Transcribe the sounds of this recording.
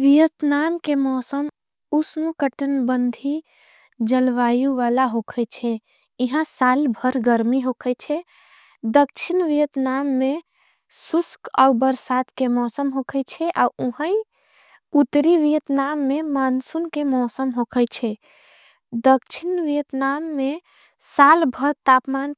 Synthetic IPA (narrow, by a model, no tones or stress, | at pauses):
ʋijət̪namkemɔsəm | usnukəʈənbənd̪ʱi | d͡ʒəlʋajuʋalaɦokʰət͡ʃʰɛ | iɦãsalbʱəɾɡəɾmiɦokʰəjt͡ʃʰɛ | d̪ək̚t͡ʃʰinʋijət̪namːẽ | suska̰ubəɾsat̪kemɔsəmɦokʰət͡ʃʰɛʔauɦə̃i | ut̪ɾiʋijət̪namːemansunkemɔsəmɦokʰəjt͡ʃʰɛ | d̪əkt͡ʃʰinʋijət̪namːe | salbʱəɾt̪apman